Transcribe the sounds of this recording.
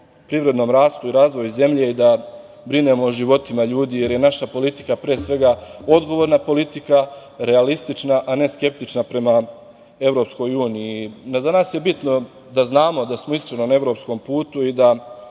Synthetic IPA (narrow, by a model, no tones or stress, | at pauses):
pɾiʋɾe̞d̪no̞mɾaːst̪uiɾaːzʋo̞juze̞mʎe̞id̪a | bɾine̞mo̞ːʒiʋo̞t̪imaʎuːd̪ije̞ɾje̞naʃapo̞lit̪i̥kapɾeːsʋe̞ɡao̞d̪ɡo̞ʋoɾnapo̞lit̪ikaɾe̞alist̪it͡ʃnaʔane̞ske̞p̚t̪it͡ʃnapɾe̞ma | e̞ʋɾo̞ːpsko̞juːniinazanaːsje̞bit̪no | d̪aznaːmo̞d̪asmoiskɾenonae̞ʋɾo̞ːpsko̞mpuːt̪uid̪a